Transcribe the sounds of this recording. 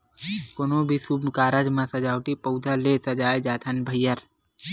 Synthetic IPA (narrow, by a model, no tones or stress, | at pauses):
konobʱisubnkaːɾad͡ʒmãsɐd͡ʒaːwʈipəʊd̪ʱalesɐd͡ʒaːed͡ʒaːt̪ʰənbʱəjːəɾ